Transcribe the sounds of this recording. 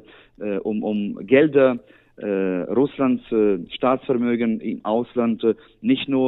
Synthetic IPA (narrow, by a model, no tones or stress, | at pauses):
ʔɛʔʊmʔʊmɡɛldɐ | ʔɛʁʊslantsʃtaːsfɛɐmøːɡənɪ̰mʔaʊslant | nɪçtnuːɐ